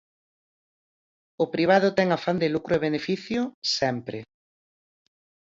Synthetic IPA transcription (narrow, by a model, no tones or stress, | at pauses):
ʊpɾiβ̞aðʊt̪ɛŋafand̪ɪlukɾʊeβ̞enefiθjʊsɛmpɾɪ